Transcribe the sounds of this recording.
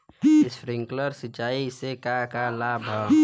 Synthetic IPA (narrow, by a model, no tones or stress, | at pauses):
ɪsɾɪ̃ŋkləɾsɪt͡ʃaːisekakalaːbʱa